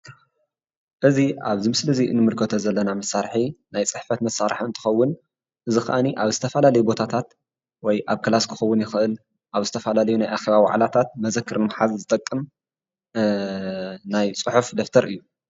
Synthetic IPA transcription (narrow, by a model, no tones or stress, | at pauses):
ʔɨziʔaβzimɨslɨziʔɨ̰nːɨmɨlkʰɐt̪ʰozɐlːɐnamɐsːaɾħinajt͡sʼɨħfɐt̪mɐsaɾħɨnt̪ʰɨ̥xɐwːʊn | ʔɨzixɐ̰ʔaniʔaβzɨt̪ʰɐfɐlalɐjubo̞t̪ʰat̪ʰat̪̚ | wɔjʔaβkʰɨlaskʰɨ̥xɐwːʊnjɪxɨʔɨl | ʔaβzɨt̪ʰɐfɐlalɐjunajʔaxeβawa̰ʕlat̪ʰat̪̚mɐzɐkʰːɨɾnɨmħazzɨt̪ʼɐkʼːɨm | najt͡sʼɨħufd̪ɐft̪ʰɐɾɨjːu